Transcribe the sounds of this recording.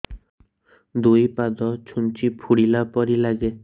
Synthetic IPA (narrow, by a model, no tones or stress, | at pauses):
d̪ujpad̪ɔt͡ʃʰunt͡ʃipʰuɽilapɔɾilaɡe